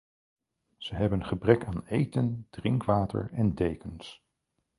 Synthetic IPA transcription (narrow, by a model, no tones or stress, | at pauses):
z̥əɦɛbənχəbrɛkaːnejtənd̥rɪŋkʋaːtə̰ɹɛndejkəns